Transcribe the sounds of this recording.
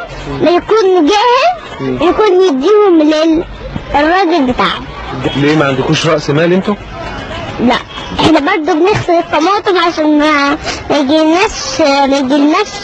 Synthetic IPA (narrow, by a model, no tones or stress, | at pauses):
mæjækuːnɡæːhɪl | wjækuːnjɪd̪ːiːhʊmlɪ | rˤːɑːɡɪlbɪt̪aːʕomleːmæʕand̪ækuːʃɾˤɑʔsmæːlʔent̪o | læʔʔeħnæbɑɾˤd̪ˤobnɪxsɑlet̪ˤːɑmɑːt̪ˤemʕaʃæːnmæmæjɡɪlnæːʃmæjɡɪlnæːʃ